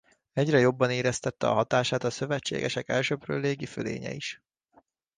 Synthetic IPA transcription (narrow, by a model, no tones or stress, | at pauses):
ɛɟrɛjo̞bːɒneːɾɛst̪ɛt̪ːɛ̰ɒ̰ɦɒt̪aːʃaːt̪ɒsø̞vɛt͡ʃːḛːɡɛʃɛkɛlʃøprø̰ːlːeːɡifølḛːɲɛ̰iʃ